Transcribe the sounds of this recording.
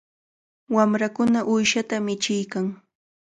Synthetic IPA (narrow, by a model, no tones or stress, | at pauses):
wamɾakʊnaʔʊjʃat̪amɪt͡ʃɪjkaŋ